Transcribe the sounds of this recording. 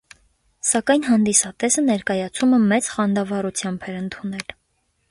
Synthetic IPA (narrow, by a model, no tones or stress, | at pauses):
sɑkɑjnɦɑnd̪isɑt̪ɛsənɛɾkɑjɑt͡sʰuməmɛt͡sχɑnd̪ɑvɑɾut͡sʰjɑmbɛɾənt̪ʰunɛl